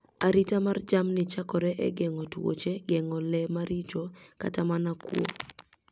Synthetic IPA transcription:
aɾitamard͡ʒamnɪt͡ʃakɔɾɛʔɛ̰ɡɛŋɔtwo̰t͡ʃeɡɛŋɔlɛmaɾit͡ʃɔka̰tamanakwo̰

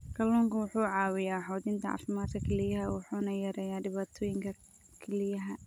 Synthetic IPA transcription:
kʰɐlɔːŋkʰɐwʊħuːʕɑːwɪjaːħɔːðɪnt̪ʰɐʕɑ̰ːfɪmaːd̪kʰɐkʰɛlɪjɐɦɐwʊħuːnɐjɐɾɛːjaːɖɪβaːt̪ʰɔːjɪŋkʰɐ | kʰɛlɪjɐɦɐ

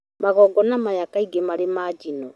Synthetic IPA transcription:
maɣɔɡɔnamajakaiɡemaɾemaːd͡ʒinɔ

